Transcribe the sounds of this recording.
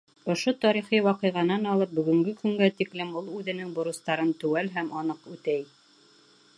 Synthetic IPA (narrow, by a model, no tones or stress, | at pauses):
ŏʃot̪ɑɾiχiwɑqɤ̆jʁɑnɑnɑlˠɤp̚bɵ̆ɡɵ̆ŋɡɘkɵ̆ŋɡæt̪iklɘmulˠʉðɘ̆nɘŋbŏɾɤ̆st̪ɑɾɤnt̪ʉ̆wælɦæmʔɑnɤqʉt̪æj